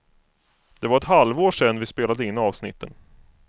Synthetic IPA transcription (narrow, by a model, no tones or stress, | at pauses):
d̪ɛvaɾɛt̪ɦalvoːʂɛnːvɪspeːlad̪əɪnːɑːvsnɪ̰t̪ːə̰n